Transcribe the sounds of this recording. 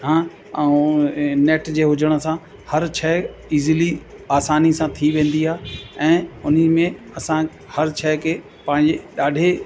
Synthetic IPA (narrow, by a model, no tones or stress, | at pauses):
ɦãː | neːʈd͡ʑeːɦʊd͡ʑəɽ̃ə̆sã | hɐɾt͡ɕʰɛːiːzliaːsaːnisãt̪ʰiʋẽːn̆d̪iaːɦɛ̃ːʊn̤mẽ | ɐsã | hɐɾt͡ɕʰɛːkʰeː | pãːɦɪ̃ɲd͡ʑeɗaːɖʱe